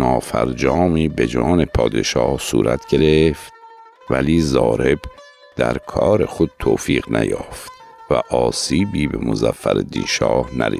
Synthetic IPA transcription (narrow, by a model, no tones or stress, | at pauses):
nɒːfæɾd͡ʒɒːmiːbe̞d͡ʒɒːne̞pʰɒːd̪e̞ʃɒːhsuːɾʔæt̪ʰɡe̞ɾeft̪̚ | væliːzɒːɾe̞b | d̪̥æɾkʰɒːɾe̞xod̪̥̚t̪ʰoːfiːɣnæjɒːft̪̚væʔɒːsiːbiːbe̞mozæfːæɾed̪ːḭːnʃɒːhnæɾḭː